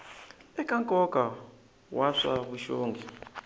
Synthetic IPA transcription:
ɛkʼaŋkʼɔka | waʂaβuʃoːŋɡʱi

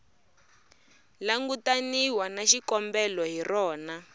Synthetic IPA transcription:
laŋɡutaniwanaʃikɔmbɛlɔɦirɔːna

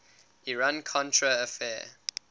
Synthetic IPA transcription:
iɹãnkʰɔ̃ntʰɹəːfɛː

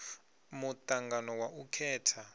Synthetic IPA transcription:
mut̪aŋɡanɔwaʔukʰɛːtʰa

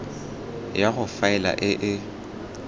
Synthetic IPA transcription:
jaɣʊfaɪla̰ʔɪʔɪ

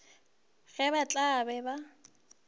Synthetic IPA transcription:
ɣɛbat͡ɬʼabɛba

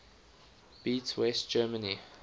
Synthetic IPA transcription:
b̥iːˑtwɛst̚d͡ʒ̥ɜːməni

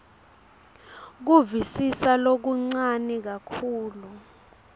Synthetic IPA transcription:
k̬uvisisalok̬uŋ͡ǀanik̬akʰuːlu

